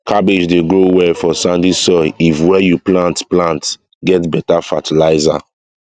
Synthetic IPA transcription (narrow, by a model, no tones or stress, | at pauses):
kʰabed͡ʒdeɡɹowɛfɔsãndisɔifwɛjuplãntplãnt | ɡɛtbɛtafatʰilaɪza̰